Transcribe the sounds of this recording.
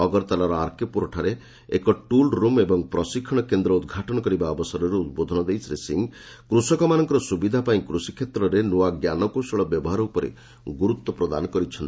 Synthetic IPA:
ɔɡɔɾt̪alɔɾɔaɾkipuɾɔʈʰaɾe | ḛkɔʈulɾumebɔŋpɾɔsikʰːɔɽ̃ɔkend̪ɾɔud̪ɡʱaʈɔñɔkɔɾibaɔbɔsɔɾɔɾuut̪bod̪ʱɔnɔd̪ejsɾesiŋ | kɾusɔkɔmanɔŋkɔɾɔsubid̪ʱapaĩkɾusikʰet̪ɾɔɾenuwaɡjanɔkusɔɭɔbjɔbɔɦaɾɔupɔɾḛ | ɡuɾut̪wɔpɾɔd̪a̰nɔkɔɾit͡ʃʰɔnt̪

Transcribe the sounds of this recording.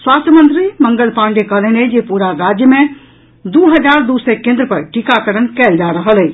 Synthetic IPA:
swaːst̪ʰjəmə̃nt̪ɾimə̃ŋɡəlpãɳɖekəlened͡ʒepuɾaɾad͡ʒjəmẽ | d̪uɦəd͡ʒaːɾd̪usekẽːnd̪ɾəpəɾʈikakəɾənkɛːld͡ʒaɾəɦəle

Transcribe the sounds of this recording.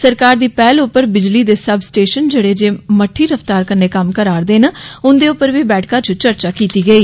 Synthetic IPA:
səɾkaːɾd̪iːpɛːlʊpːəɾbɪd͡ʒliːd̪eːsəbsʈeːʃənd͡ʒeːɽeːd͡ʒeːməʈʰːiːɾəft̪aːɾkənːeːkəmkəɾaːɾd̪eːnaːʊnd̪eːʊpːəɾʋiːbɛːʈʰkãːt͡ʃʊt͡ʃəɾt͡ʃaːkiːt̪iːɡəiː

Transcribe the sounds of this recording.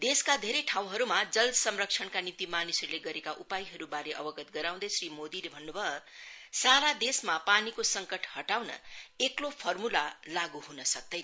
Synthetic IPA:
d̪eskad̪ʱeɾʌjʈʰaw̃ɦʌɾumad͡zʌlsʌmrʌkt͡sʰʌnkanit̪imanisʌɾuleɡʌɾekaʔupajɦʌɾubaɾeʔʌbʌɡʌt̪ɡʌɾaw̃d̪ʌsrimod̪ilebʱʌnːubʱʌsaɾad̪esmapanikosʌŋkʌʈhʌʈawnʌ̰eklopʰʌrmulalaɡuɦunʌsʌk̚d̪ʌjn

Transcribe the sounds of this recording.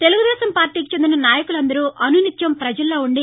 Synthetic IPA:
t̪e̞luɡud̪ɛːsɐmpaːɾʈiːki̥t͡ʃe̞nd̪inɐnaːjɐkulɐnd̪ɐɾuːʔɐnunit̪jɐmpɾɐd͡ʒɐlːoːuɳɖi

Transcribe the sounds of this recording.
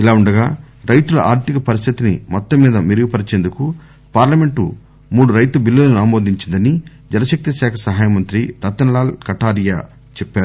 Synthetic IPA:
ilaːuɳɖɐɡaː | ɾɐjt̪ulɐʔa̰ːɾt̪ikɐpɐɾist̪ʰit̪inḭmɔt̪ːɐmːiːd̪ɐmiɾuɡipɐɾit͡ʃeːnd̪uku | paːɾlɐme̞ɳʈṵ | muːɽuɾɐjt̪ubilːɐlɐnaːmo̞ːd̪iɲt͡ʃind̪ɐni | d͡ʒɛnɐʃɐk̚t̪isɛːkʰɐsɐɦaːjɐmɐnt̪ɾiɾɐt̪ːɐnlaːlkɐʈaːɾijaː | t͡ʃɛpːaːɾu

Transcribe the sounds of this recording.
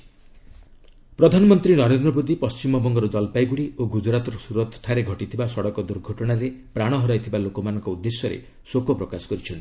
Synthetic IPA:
pɾɔd̪ʱanɔmɔnt̪ɾinɔɾend̪ɾɔbod̪ipɔst͡ʃimɔbɔŋɡɔɾɔd͡ʒɔlpajɡuɽioɡud͡ʒɾat̪ɔɾɔsuɾɔt̪ʰʈʰːaɾeɡʱɔʈit̪ʰibasɔɽɔkɔd̪uɾɡʱɔʈɔɽ̃aɾepɾaɽ̃ɔɦɔɾajt̪ʰibalokɔmanɔŋkɔud̪ːesjɔɾḛ | sokɔpɾɔkasɔ̥kɔɾit͡ʃʰɔnt̪i̥

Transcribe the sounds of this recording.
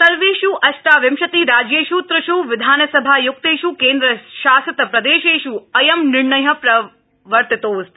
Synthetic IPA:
sɐɾʋeːʃuʔɐʃʈaːʋɪmʃɐt̪iːɾaːd͡ʒjeːʃut̪ɾɐʃuʋɪd̪ʱaːnsɐbʱajʊk̚t̪eːʃukeːnd̪ɾəʃaːsɐt̪pɾɐd̪eːʃeːʃuɐjɐmnɪɾɳɐjɐ̆pɾɐ | ʋɐɾt̪it̪oːs

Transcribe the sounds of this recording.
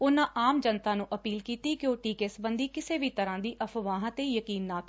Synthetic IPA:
ʊnãːʔaːmd͡ʒənt̪ãːnũːʔəpiːlkiːt̪iːkɪjoːʈiːkesbənd̪iːkɪseːʋiːt̪əɾãːd̪iːʔəpʰʋãːɦãːt̪eːjəkiːnːaːk

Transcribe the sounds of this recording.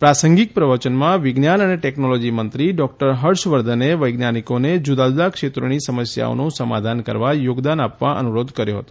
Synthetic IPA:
pɾasəŋɡik̚pɾəʋət͡ʃənmãʋɪɡnjanəneʈɛknolɔd͡ʒimənt̪ɾiɖɔk̚ʈəɾɦəɾʃʋəɾd̪ʱəneʋəjɡnjanikoned͡ʒud̪ad͡ʒud̪akʃet̪ɾonisəməsja̰o̰nõsəma̰d̪ʱankə̰ɾʋajoɡd̪anapʋaʔə̰nuɾod̪ʱkəɾjoɦə̰t̪o̥

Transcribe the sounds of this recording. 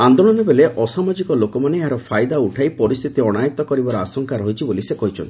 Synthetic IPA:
and̪oɽɔnebeleʔɔsamɔd͡ʒikɔlokɔmaneeɦaɾɔpʰajd̪auʈʰajpɔɾist̪ʰit̪iɔɽ̃ajɔt̪ɔkɔɾibaɾɔasɔŋkaɾɦɔɦit͡ʃʰibolisekɔɦit͡ʃʰɔ̰nt̪i

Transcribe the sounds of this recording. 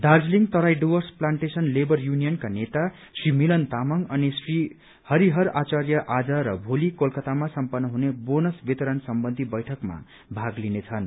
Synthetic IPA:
d̪ard͡zliŋt̪ʌɾajɖowʌrsplaɳʈesʌnlebʌrjunijʌnkanet̪a | srimilʌnt̪amʌŋʌnisri | hʌɾiɦʌɾat͡sarjʌʔad͡zʌɾʌbʱolikolkʌt̪amasʌmpʌnːʌɦunebonʌsbit̪ʌɾʌnsʌmbʌnd̪ʱibʌjʈʰʌkma̰ | bʱaɡlinet͡sʰʌn

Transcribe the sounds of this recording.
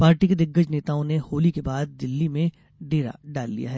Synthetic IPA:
paːɾʈiked̪ɪɡːəd͡ʒneːt̪aːõnehoːlikebaːd̪̚ːɪlːimẽ | ɖeːɾa̰ɖaːlːḭja̰ɦɛː

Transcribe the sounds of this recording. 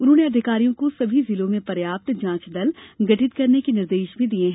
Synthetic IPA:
ʊnõneɐd̪ʱɪkaːɾijõkosɐbʱizɪlõmẽpɐɾjaːp̚t̪d͡ʒãːt͡ʃɖ̪ɐlɡɐʈʰɪt̪kɐɾnekenɪɾd̪eːʃbʱĩd̪iẽɦɛ̃

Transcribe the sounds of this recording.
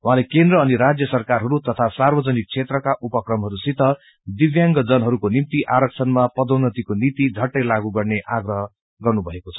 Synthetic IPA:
wuɦãlekend̪rʌːniɾad͡zjʌsʌrkarɦʌɾut̪ʌt̪ʰasarbʌd͡zʌnik̚t͡sʰet̪rʌkaʔupʌkrʌmɦʌɾusit̪ʌ | d̪ibjaŋɡʌd͡zʌnɦʌɾukonimt̪iʔaɾʌk̚t͡sʰʌnmapʌd̪ʌwnʌt̪ikonit̪id͡zʱʌʈːʌjlaɡuɡʌrneʔaɡrʌɦʌ | ɡʌrnubʱʌekot͡sʰʌ̥

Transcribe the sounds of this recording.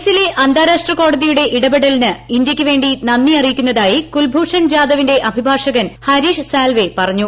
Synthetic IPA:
sile̞ʔɐnd̪ʱaːɾaːʂʈrɐko̞ːɽɐðijuɽe̞ʔiɽɐbeɽɐlinɨindjɐkʲːɨʋe̞ːɳɖinɐnːiɐrijikʲːunːɐðaːjikulbʱuːʂɐnd͡ʑaːðɐʋinde̞ʔɐbʱibʱaːʂɐɣɐnhɐɾiːʂsaːlʋe̞pɐrɐɲːu

